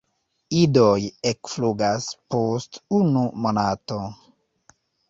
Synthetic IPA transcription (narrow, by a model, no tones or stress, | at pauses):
idojekfluɡaspostunumonato